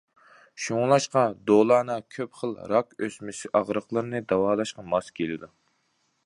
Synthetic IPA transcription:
ʃuŋlˠɑʃqɑd̪olˠɑːnɨkʲʰøpχəlˠɾɑkøsmɪsɪʔɑʁɾəqlˠəɾnɨd̪ɑwɑːlˠɑʃqɑmɑskʲʰelɪd̪u

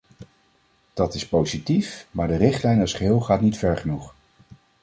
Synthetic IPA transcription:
d̥ɑtɪspowzitifmaːɹdərɪχtlɛjnɔsχəɦɪːlˠχaːtnitfɛɹχənuχ

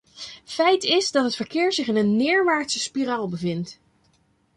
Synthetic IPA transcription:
fɛjtɪzdɑtɦətfəɹkɪːɹzɪχɪnənːɪːɹʋaːɹtsəspiraːlˠbəvɪnt

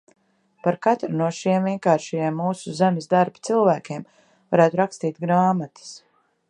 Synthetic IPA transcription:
paɾkat̪ɾunuɔʃiɛmviɛnkaːɾʃɛjeɛmːuːsuzamʲɪzd̪aɾbt̪silˠvæːkʲem | vaɾæːt̪uɾakst̪iːt̪ɡɾaːmat̪ḁs

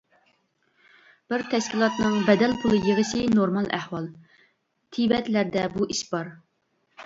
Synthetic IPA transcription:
b̥ɪɾt̪ʰɛʃkʲilˠɑt̪nɨŋbɛd̪ɛlpʰulˠɨjeʁəʃinoɾmɑlˠæ̰hwɑlˠ | t̪ʰibɛt̪læɾd̪ɛbuʔiʃbɑɾ

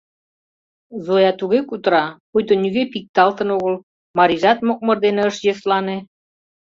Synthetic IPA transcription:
zojɑt̪uɣekut̪ɾɑpujt̪onʲyɣepik̚t̪ɑlt̪ə̆noɣəl | mɑɾiʒɑt̪̚mok̚mərd̪eneəʃjøslɑne

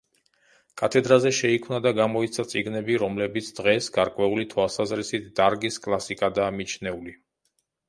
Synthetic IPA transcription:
kʼat̪ʰɛd̪ɾazɛʃɛikʰmnad̪aɡamɔit̪sʰat̪sʼiɡnɛbiɾɔmlɛbit̪sʰd̪̥ʁɛsɡaɾkʼwɛulit̪ʰwalˠsazɾisit̪̚ʰd̪̥aɾɡiskʼlˠasikʼad̪aːmit͡ʃʰnɛuli

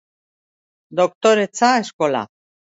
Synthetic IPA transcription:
d̪ok̚t̪oɾet͡saeskola̰

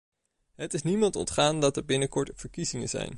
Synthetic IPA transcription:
ɦətɪsnimɑntɔ̰ntχaːndɑtəɹbɪnəkɔɹtv̥əɹkizɪŋə̰nzɛ̰jn

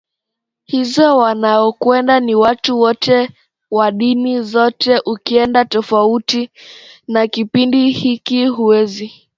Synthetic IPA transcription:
hizɔwanaɔkwɛndaniwatuwɔtɛ | waɗinizɔtɛʔukiɛndatɔfautinakipindihikiɦuwɛzi

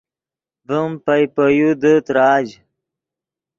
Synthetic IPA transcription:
bəmpɐjpəjud̪ət̪ɾaːd͡ʑ

